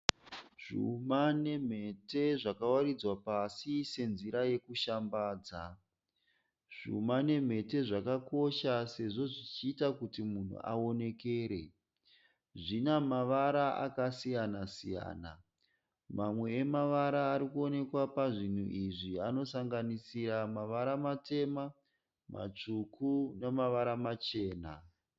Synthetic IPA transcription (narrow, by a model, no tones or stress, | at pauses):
ʐ̥ṵmane̞m̤e̞te̞ʐakawaɾid͡zwapasise̞nziɾaje̞kuʃambaːd͡za | ʐ̥ṵmane̞m̤e̞te̞ʐakako̞ʃase̞ʐo̞ʐit͡ʃiːtakutimun̤ṵʔa̰o̞ne̞keːɾe̞ | ʐinamaʋaɾaʔa̰kasijanasija̰ːna | mamwe̞ːmaʋaɾaːɾikuo̞ne̞kwapaʐin̤uʔiʐiano̞saŋɡanisiɾamaʋaɾamate̞ma | ma̰t͡ʂukunemaʋaɾamat͡ʃe̞ːna